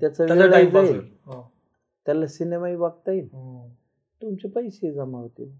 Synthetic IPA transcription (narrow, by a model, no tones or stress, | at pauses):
t̪jat͡saʋeɭaid͡zaeɦ | t̪jalasinemaibaɡ̚t̪ai | t̪umt͡ɕepəjɕed͡zamaʋt̪e